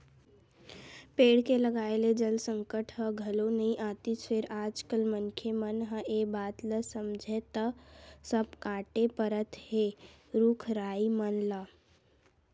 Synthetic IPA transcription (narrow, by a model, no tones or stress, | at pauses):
peːɽkeləɡaːeled͡ʒəlsəŋkəʈʰɦəɡʱəlonəĩʔaːt̪it͡ʃeɾaːd͡ʒkəlmənkʰemənɦə̃ʔebaːt̪ləsəmd͡ʒʱet̪əsəb̚kãːʈepəɾət̪ɦeɾuːkʰɾaːimənlə